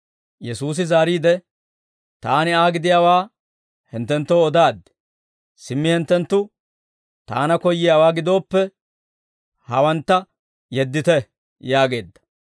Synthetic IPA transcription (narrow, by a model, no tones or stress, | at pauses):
jɛsuːs̬ɪzaːɾiːd̪ɛ | t̪aːnɪaːɡɪd̪ɪjaːwaː | hɛnt̪ːɛnt̪ːoːd̪aːd̪ːɛ̥ | sɪmːɪhɛnt̪ːɛnt̪ːʊ | t̪a̰ːnɐkɔjːɪjaːwaːɡɪd̪o̞ːpːɛ | hɐwɐnt̪ːɐ | jɛd̪ːɪt̪ɛ | jaːɡe̞ːd̪ːɐ̥